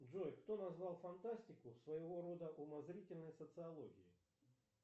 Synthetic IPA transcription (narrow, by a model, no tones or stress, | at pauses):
dʐɔjkt̪ɔnazvalˠfant̪asʲtʲɪkʊsvɐjɪɣɔɾɔd̪əʔumazɾʲitʲɪlʲnəjsət̪sɨalˠɔɣʲiji